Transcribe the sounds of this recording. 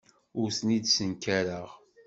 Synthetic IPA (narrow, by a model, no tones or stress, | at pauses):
ʊɾsnid̪sənkæɾəʁ